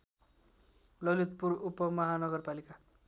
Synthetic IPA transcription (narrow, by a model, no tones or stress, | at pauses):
lʌlit̪̚purupːʌmʌɦanʌɡʌrpalika